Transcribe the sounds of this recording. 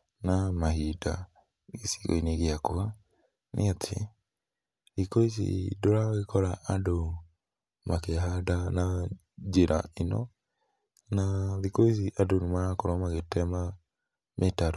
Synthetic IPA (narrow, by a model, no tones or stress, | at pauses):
namaɦida̰ | ɣesi̥ɣo̰ineɣeakoa | nʔḛatʰḛ | ðikoisḭdoɾaɣekɔɾaʔado | makeɦadana | d͡ʒeɾʔa̰enɔ̰ | naðikois̬iʔadonumaɾakoɾɔmaɣetɛma | mʔetaɾo